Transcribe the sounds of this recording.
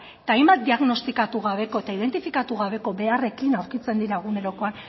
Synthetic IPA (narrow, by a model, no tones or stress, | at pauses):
t̪aːjmbat̪̚d̪iaɣno̞st̪ikat̪uɣ̞aβe̞ko̞et̪aið̞e̞nt̪ifikat̪uɣaβe̞ko̞be̞are̞kinawɾkit͡se̞nd̪iɾaɣune̞ɾo̞ko̞an